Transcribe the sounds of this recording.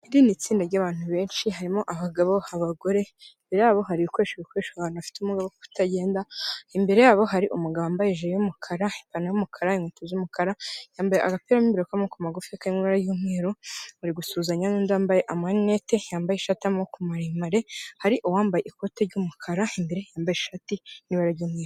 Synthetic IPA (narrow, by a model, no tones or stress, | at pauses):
iɾinit͡siːndaɾɟaːβaːn̥uβe̞ːnʃiɦaɾimo̞ʔaβaɡaβo̞aβaɡo̞ɾe̞imbe̞ɾe̞jaːβo̞ɦaɾiukoeʃeɡukoeʃaβaːnuβafi̥teumuɡaβoku̥tʰaɟe̞ːndaimbe̞ɾe̞jaːβo̞ɦaɾiʔumuɡaβaːmbajeʒeejumukʰaɾaipanajumukʰaɾaiŋwutozumukaɾajaːmbajeʔaɡapeɾamimbiɾokamokumaɡufiakaɾiŋiβaɾaɟumŋeːɾuuɾiɡusuːzaɲanuːnduaːmbaje̞ʔamwaninetejaːmbajeʃatiamokumaɾeimaɾe̞haɾiʔowaːmbajeʔiko̞teɾɟumukʰaɾaimbeɾe̞jaːmbajeʃatiniβaɾaɾɟuːmweːɾo